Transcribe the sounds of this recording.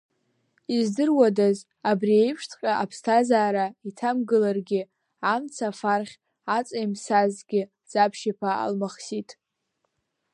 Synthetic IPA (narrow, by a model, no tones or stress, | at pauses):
izdɨrwadaz | abriejpʰʂtʰqʲʼaʔapʰstʰazaːɾaitʰamɡɨlarɡʲɪ | amt͡sʰafarχʲ | at͡sʼejmsazɡʲɪ | z̥apʰʃipʰaa̰lmaχsitʼ